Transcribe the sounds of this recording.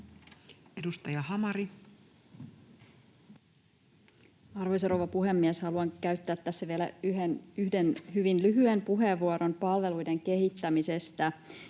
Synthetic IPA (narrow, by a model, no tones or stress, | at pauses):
edust̪ɑjɑhɑmɑɾi | ɑrʋojsoɾo̞ʋɑpuɦe̞mːiɛshɑluɑŋkæyɥt̪ːæːt̪ːæːsːæʋielæyɦenyhdenhyʋinlyɦyempuɦeʋːuoɾo̞mpɑlʋe̞lujde̞ŋke̞ɦit̪ːæmise̞st̪æ